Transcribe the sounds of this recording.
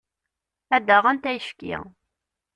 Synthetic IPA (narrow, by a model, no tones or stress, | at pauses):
æd̪æʁænt̪æjəfkḭ